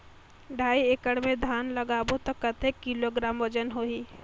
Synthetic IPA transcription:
ɖʱaːiekəɽmẽd̪ʱaːnləɡaːbot̪ɔkːət̪ʰekːiloɡɾaːmʋəd͡ʒənɦoːɦiː

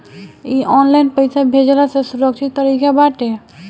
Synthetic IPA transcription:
iʔɔnlajnpəjsabʱed͡ʒlasesuɾəkt͡ʃʰit̪ːəɾikabaʈe

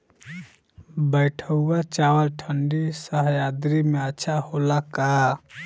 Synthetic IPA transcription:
bəjʈʰəuat͡ʃawəlʈʰəɳɖisəɦjad̪ɾimeətːʃʰaholaka

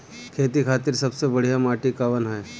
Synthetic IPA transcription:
kʰeːt̪ikʰaːt̪iɾsɐbsebəɽ̤ijamaːʈikaʋənɦɛj

